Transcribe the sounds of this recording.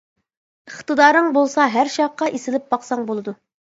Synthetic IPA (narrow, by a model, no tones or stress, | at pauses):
əχt̪ɨd̪ɑːɾɨŋbolˠsɑɦæɾʃɑqːɑʔesɪlɪp̚bɑqsɑŋbolˠɨd̪u